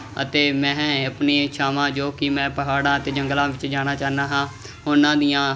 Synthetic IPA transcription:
ə̰t̪eːmɛ̃ːəpneːt͡ʃʰaːʋãːd͡ʒoːkɪmɛ̃ːpəɦaːɽãːət̪eːd͡ʒəŋɡlãːʋɪt͡ʃd͡ʒaːñaːt͡ʃaːɦnaːɦãː | ʊnãːd̪ijãː

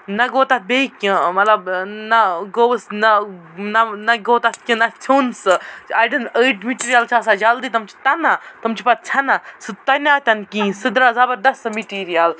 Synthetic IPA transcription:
nɐɡoːt̪at̪̚bekʲĩmɐt̪lɐbnɐɡowəsnɐnɐnɐɡoːt̪at̪̚kʲĩnɐt͡sʰuːnsɨajɖɐnəːʈmiʈiːɾijɐlt͡ʃʰasad͡ʒɐld̪it̪ɐmt͡ʃʰi̥t̪ɐnat̪ɐmt͡ʃʰipɐt̪̚t͡ʃʰɐnasɨt̪ɐnʲat̪ʲɐnkĩːsɨd̪ɾazɐbɐɾd̪ɐsmiʈiːɾijɐl

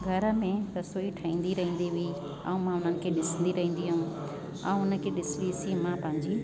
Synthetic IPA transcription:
ɡʱɐɾəmẽɾɐsoːiʈʰaĩːn̆d̪iɾɐɦĩːn̆d̪iɦʊi | ɐ̰ũmãʊn̤ənɪ̆kʰeɗɪsə̃nd̪iɾɐɦĩːn̆d̪iɦɐũː | ɐ̰̃ũʊnəkʰeɗɪsʋisimãpɐ̃ɦɪ̃ɲd͡ʑi

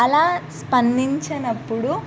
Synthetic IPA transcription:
ɐlaːspɐnd̪iɲt͡ʃɐnɐpːuɽu

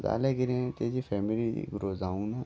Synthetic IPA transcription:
za̰ːleːɡɪɾẽt̪eːd͡ʒiːfʰɛːmɪlḭːɡɾoːzaːũːnaː

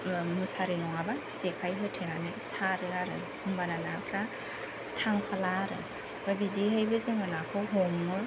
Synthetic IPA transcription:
musaɾinɔŋabasekʰajɦɯtʰenanɯsaɾɯaɾɯ̰ | ɯmbananakʰɾa | tʰaŋpʰalaɾɯ̰ | b̥abidiɦɯjbɯzemanakʰɯwɦɔmɯ

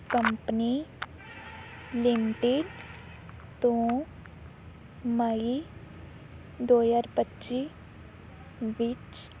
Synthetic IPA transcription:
kəmpəni | lɪmʈɪɖ | t̪õ | məi | d̪oːjaːɾbətːʃi | ʋɪt͡ʃ

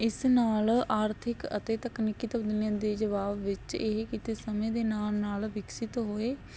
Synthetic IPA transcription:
ɪsnaːlaːɾt̪ʰɪkə̰t̪eːt̪əknɪkiːt̪əbd̪ənjãːd̪eːd͡ʒəʋaːbːɪt͡ʃeɦkiːt̪eːsəmẽːd̪eːnaːmnaːlʋɪksɪt̪ɦoːeː

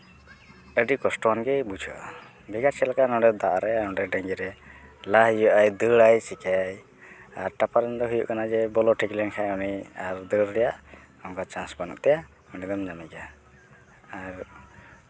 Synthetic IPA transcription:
əɖikɔsʈɔwanɡɛjbut͡ʃʰɔ̰ʔ | bʱiɡaɾt͡ʃɛlakanɔɖɛd̪aʔɾɛnɔ̃ɖɛɖəŋɡiɾɛlaɦjuʔajd̪əɽajsikaj | aɾʈapaɾɛnd̪ɔɦujṵʔkanad͡ʒɛbɔlɔʈʰiklɛnkʰajɔniaɾd̪əɾːɛjaʔ | ɔmkat͡ʃãnsbanṵʔt̪ɛja | ɔnid̪ɔmd͡ʒamiɡaː | ɾ

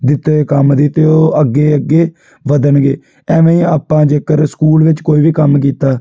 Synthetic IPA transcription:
d̪ɪt̪ekəmd̪it̪eːoːəɡːeːəɡːeː | ʋəd̪ənɡḛː | ɛ̃ːmẽːĩːaːpãːd͡ʒeːkəɾskuːlʋɪt͡ʃkoːiːʋiːkəmk̬iːt̪aː

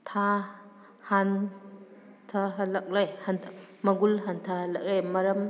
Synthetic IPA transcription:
tʰa | han | tʰɐɦɐlɐk̚lajhanʰmɐɡulɦantʰɐhɐlɐk̚lajmɐɾɐm

